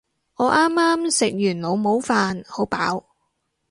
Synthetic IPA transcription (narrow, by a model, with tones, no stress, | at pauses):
ŋɔː˨˧˥ʔaː˥mːaː˥msɪ˨k̚jyː˨˩nlo˨˧wmo˨˥wfaː˧nho˨˥wpaː˨˥w